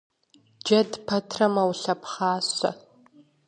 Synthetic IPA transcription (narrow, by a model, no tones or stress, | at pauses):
d͡ʒɐdpʰɐtʰrɐmɐwɬɐpχaːɕɐ̰